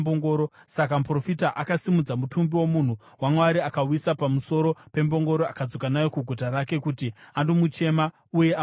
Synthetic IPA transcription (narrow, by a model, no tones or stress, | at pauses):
boŋɡo̞ːɾo̞ | sakampro̞fitaʔakasimud͡zamutumbiwo̞mun̤u | wamweaɾiakawisapamuso̞ɾo̞pe̞mbo̞ŋɡo̞ɾoa̰kad͡zo̞kanajo̞kuɡʱotaɾake̞kutiandomut͡ʃe̞ma | uje̞a